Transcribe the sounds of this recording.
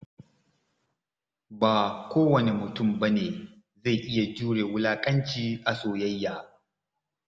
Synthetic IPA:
baː˨kʷoː˦wɐ˨ne˨mʊ˨tʊ˦˨mbɐ˦neː˨ | za˦˨ʔɪ˦ja˨d͡ʒuː˦ɽeː˨wʊ˦laː˦kʼɐ˦nt͡ʃiː˦ʔa˨soː˨jɐ˦jːaː˨

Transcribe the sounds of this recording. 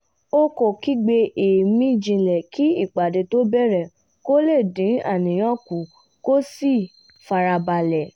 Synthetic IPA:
o˦ko˨ki˦ɡ͡be˧ʔe˨mĩ˦˨d͡ʒĩ˧lɛ˨kʰi˦i˦˨k͡pa˨de˨to˦bɛ˦˨ɾɛ˨ | ko˦le˦˨dĩ˨˦a̰˦˨nĩ˨j̃ɔ̃˦ku˨ | ko˦si˦˨ | fa˧ɾa˧ba˧lɛ˨

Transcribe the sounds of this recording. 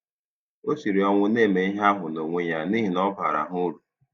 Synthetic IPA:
o˦si˨ɾi˨ɔ˨ŋʷʊ˦ne˦˨me˨i˦ɦa˦ɦʊ˨no˨ŋʷe˦ɲa˦ni˦ɦi˨nɔ˦pa̰˨ɾa̰˨ɦʊ˦ɾu˨

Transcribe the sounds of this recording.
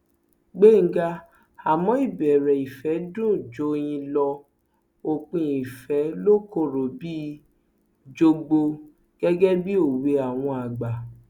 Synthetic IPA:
ɡ͡be˦˨ŋ̩˦ɡa˧ | a˨mɔ̃˨˦i˦˨bɛ˨ɾɛ˨i˨fɛ˨˦dũ˦˨d͡ʒo˨˦˧j̃ĩ˧lɔ˧ | o˨k͡pĩ˧i˨fɛ˨˦lo˦ko˦˨ɾo˨bi˦ | d͡ʒo˧ɡ͡bo˧ | ɡ̥ɛ˦ɡɛ˦bi˦o˦˨we˧a˨w̃ɔ̃˧a˨ɡ͡ba˨

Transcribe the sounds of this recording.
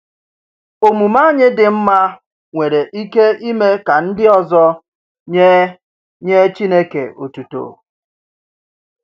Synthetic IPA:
o˨mu˨ma˦ɲɪ˦dɪ˨m̩˦ma˦ | ŋʷe˨ɾe˨ʔi˦ke˦i˦me˦ka˨n̩˦dɪ˦ɔ˨zɔ˦ | ɲe˦ | ɲe˦t͡ʃi˦ne˦kḛ˨o̰˨tu˨to̰˨

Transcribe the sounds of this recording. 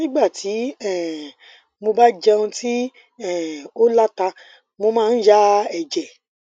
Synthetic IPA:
nĩ˦ɡ͡ba˦˨tʰi˨˦ɛ˦˨ | mo˧ba˦d͡ʒɛ˧ũ˧ti˦ | ɛ˦˨o˦la˦ta˧ | mo˧mãː˦˧n̩˦ja˦ɛ˦˨d͡ʒɛ˨

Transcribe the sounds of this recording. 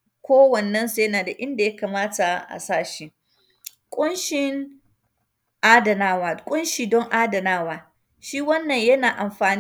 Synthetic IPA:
kʷoː˦wɐ˨nːɐ˦nse˦naː˨da˨ʔɪ˦nda˨jɐ˦kaː˨maː˦ta˨ʔa̰˨saː˦ʃi˦ | kʷʼʊ˦nʃɪ˦ŋ | ʔaː˦dɐ˨naː˦waː˨kʷʼʊ˦nʃiː˨dɔ˦ŋʔaː˦dɐ˨naː˦waː˦ | ʃiː˦wɐ˦nːɐ˨ɲjɐ˦naː˨ʔa˨mɸaː˨n

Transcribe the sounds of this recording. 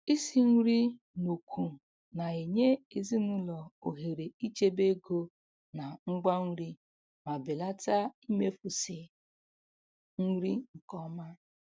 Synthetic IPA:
i˦si˨˦ŋ̩˦ɾi˦ | no˨kʷʰu˨ | na˨e˨ɲe˦e˨zi˦nʊ˦lɔ˨o˨ɦe˨ɾe˨i˦t͡ʃe˦be˦ɡo˦ | na˨ŋ͡m̩˦ɡ͡ba˦ŋ̩˦ɾi˦ | ma˨be˨la˦ta˦i˦me˦fu˨sɪ˨ | ŋ̩˦ɾi˦ŋ̩˨kɔ˦ma˦

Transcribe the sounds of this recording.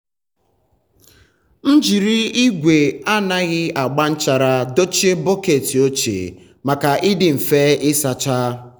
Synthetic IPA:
n̩˦d͡ʒi˨ɾi˦i˦ɡʷe˨a˦na˦ɣɪ˦a˨ɡ͡ba˦n̩˦t͡ʃa˨ɾa˦do˦t͡ʃi˦e˦bo˦ke˨ti˨o˦t͡ʃḛ˨ | ma˨ka˨ʔɪ˦dɪ˨m̩˨fe˦ɪ˦sa˨t͡ʃa˦

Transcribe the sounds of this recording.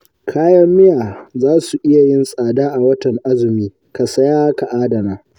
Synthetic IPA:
kʰaː˦jɐ˦mːɪ˦jaː˨zaː˦su˨ʔɪ˦ja˨jɪ˦nsʼaː˨daː˦ʔa˨wɐ˦tɐ˨ŋʔa˦zɪ˨miː˦ | ka˨sɐ˦jaː˦ka˨ʔaː˦dɐ˨naː˦

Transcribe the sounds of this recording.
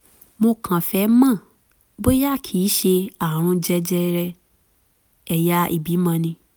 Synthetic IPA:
mo˧kʰã˨fɛ˨˦mã˦˨ | bo˦ja˦˨kʰi˨˦ʃe˧a˨ɾ̃ũ˧d͡ʒɛ˧d͡ʒɛ˧ɾɛ˧ | ɛ˨ja˧˦ʔḭ˦˨bi˨˦mã˧nĩ˧

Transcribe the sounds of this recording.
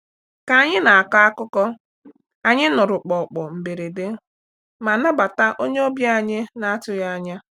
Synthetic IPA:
ka˨a˨ɲɪ˦na˨a˨ka˦a˦kʊ˦kɔ˦ | a˨ɲɪ˦nʊ˨ɾʊ˨k͡pɔ˨k͡pɔ˨m̩˨be˨ɾe˨de˦ | ma˨na˦ba˨ta˦ʔo˦ɲe˦o˦bja˦a˦˨ɲɪ˦na˦a˦tʊ˦ja˦ɲa˦

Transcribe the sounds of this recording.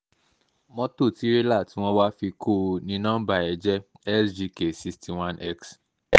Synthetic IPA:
mɔ̃˦to˦˨ti˨˦ɾe˦la˦˨tĩ˦w̃ɔ̃˦wa˦fi˧kʰo˦˨˧nĩ˧˦nã˦ba˧˨ɛ˨d͡ʒɛ˦ | ɛ˦sd͡ʒi˧ke˨si˧sti˨wã˦nʔɛ˦ks

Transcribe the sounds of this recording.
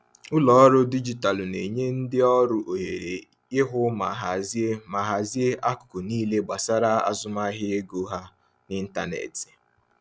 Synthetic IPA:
ʊ˦lɔ˨˦ɾʊ˦di˦d͡ʒi˨ta˨lne˨ɲe˦n̩˦dɪ˦ɔ˦ɾʊ˨ʔo˨ɦe˨ɾe˨ | ɪ˦ɦʊ˦ma̰˨ɦa˨zi˦e˦ma˨ɦa˨zi˦e˦ʔa˦kʊ̥˨kʊ˨niː˦le˦ɡ͡ba˨sa˦ɾa˦a̰˦zʊ˦ma˦ɦɪ˦e˦ɡo˨˦ɦa˦ | nɪ˦n̩˦ta˨nḛ˨ti̥˨

